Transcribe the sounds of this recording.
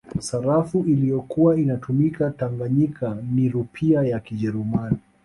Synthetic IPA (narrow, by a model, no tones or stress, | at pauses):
saɾafuʔilijɔkuwainatumikataŋɡaɲikʰaniɾupʰiajakiʄɛɾumani